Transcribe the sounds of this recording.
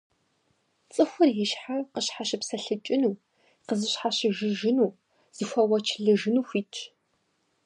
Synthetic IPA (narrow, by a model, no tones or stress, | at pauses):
t͡sʼɨxʷʊrjɪʃħaqəɕħaɕɪpsɐɬɨt͡ʃʼɪnuː | qəzɨɕħaɕɪʒɪʒɪnuː | z̥ixʷɐwɐt͡ʃʰɮɨʒɨnuːxʷiːt͡ʃʰ